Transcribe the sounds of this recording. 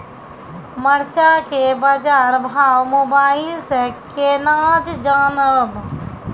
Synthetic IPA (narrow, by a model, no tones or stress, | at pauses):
məɾt͡ʃakebad͡ʒaːɾbʱaːwmʊbaːɪlsekeːnaːd͡ʒd͡ʒaːnəb